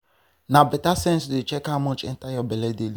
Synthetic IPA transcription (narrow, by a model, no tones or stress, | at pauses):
nabɛtasɛ̃nsdet͡ʃɛkamɔt͡ʃɛ̰n̩tajɔbɛlɛdel